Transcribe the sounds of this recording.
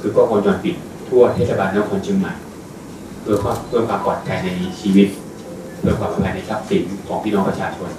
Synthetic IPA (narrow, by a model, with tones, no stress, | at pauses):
kʰɯː˧˩kɔː˥˩kʰɔ˧nt͡ɕɔː˧npi˨˩t̪ʰːu˥˩ɐt̪ʰeː˥˩t̪sa˧baː˧nːɯ˥˨kʰɔ˧nt͡ɕʰɯ˧ŋma˨˩j | pʰɯ˥˩ɐkʰwaː˥˩mkʰɯː˥˩əŋkʰaː˧mpɔː˨˩t̪̚kʰɛː˧jna˧jt͡ɕʰiː˧wi˦˥t̪̚ | pʰɯ˥˩ɐkwaː˧˩mpa˧pʰɛː˧˩na˧˩jsa˦˥p̚si˩˦nkʰɔː˩˦ŋpʰiː˥˩nɔː˧ŋpɾa˧t͡ɕʰaː˧t͡ɕʰo˧n